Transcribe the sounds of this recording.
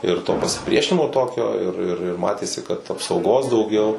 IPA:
ɪr toː pɐsʲɪˈpʲrʲiɛʃʲɪnʲɪmoː ˈtoːkʲoː ɪr ɪr ɪr ˈmɑːtʲeːsʲɪ kɐt ɐpsɐʊˈɡoːs dɐʊˈɡʲɛʊ

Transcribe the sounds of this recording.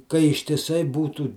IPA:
kɐ ɪʃʲtʲɪˈsɐɪ ˈbuːtuː

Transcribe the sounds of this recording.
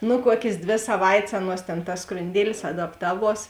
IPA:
nʊ ˈkuɔkʲeːs ˈdʲʋʲeː sɐˈʋɐɪtʲsʲ ˈɑːˌnuɔs tʲeːn tɐs skrʊnʲˈdʲiɛlʲɪs ɐdɐpˈtɑːˌʋuɔs

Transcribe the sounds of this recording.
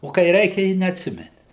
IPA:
oː kɐɪ ˈrʲɛɪkʲɛ ɪ nʲɛɐtʲˈsʲɪmʲɛnʲɪ

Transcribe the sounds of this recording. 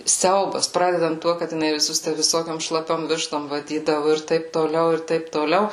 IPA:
ˈsʲɛʊbɐs ˈprɑːdʲɛdɐnt ˈtuɔ kɐt jɪˈnɐɪ ʋʲɪˈsʊs tʲæ ʋʲɪˈsoːkʲoːm ʃlˠɐˈpʲoːm ˈʋʲɪʃtoːm ʋɐˈdʲiːdɐʋʊ ɪr ˈtɐɪp toːˈlʲɛʊ ɪr ˈtɐɪp toːˈlʲɛʊ

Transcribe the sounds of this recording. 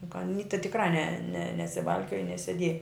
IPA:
jʊk ɐˈnʲiː tɐ tʲɪkˈrɐɪ nʲɛ nʲɛ nʲɛsʲɪˈʋɐlʲkʲoːjɛ nʲɛsʲɛˈdʲiɛjɛ

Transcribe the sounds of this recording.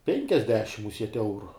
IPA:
ˈpʲɛŋʲkʲɛzʲdʲɛʃʲɪm mʊˈsʲiɛtʲ ˈɛʊrʊ

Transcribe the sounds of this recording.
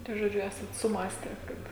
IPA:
tɐɪ ʒoːˈd͡ʒʲʊ ˈæːsɐt sʊˈmɑːsʲtʲɛ ˈkɐt

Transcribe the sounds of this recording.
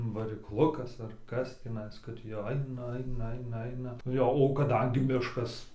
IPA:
ʋɐrʲɪkˈlˠʊkɐs ɐr ˈkɐs tʲiːˈnɐɪs kɐt jɛʊ ˈɐɪnɐ ˈɐɪnɐ ˈɐɪnɐ ˈɐɪnɐ ˈjoː oː kɐˈdɐŋʲɡʲɪ ˈmʲɪʃkɐs

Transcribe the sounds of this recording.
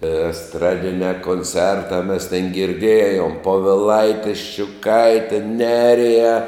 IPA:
ɛsˈtrɑːdʲɪnʲæː koːnʲˈt͡sʲɛrtɑː mʲɛs tʲeːn ɡʲɪrʲˈdʲeːjoːm poːʋʲɪˈlˠɐɪtʲɪ ʃʲt͡ʃʲʊˈkɐɪtʲɛ ˈnʲæːrʲɪjæː

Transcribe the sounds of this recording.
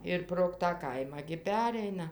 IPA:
ɪr proːk tɑː ˈkɐɪmɑː ɡʲɪ ˈpʲæːrʲɛɪnɐ

